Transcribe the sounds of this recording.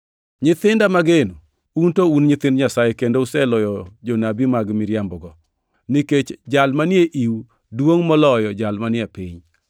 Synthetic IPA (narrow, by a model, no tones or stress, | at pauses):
ɲɪt̪ɪndamaɡeno | untounɲɪt̪ɪndɲasajekendousɛlɔjɔd͡ʒonabimaɡmɪɾjambɔɡɔ | niket͡ʃd͡ʒalmanjeʔiw | dwoŋmɔlɔjɔd͡ʒalmanɪjaepiɲ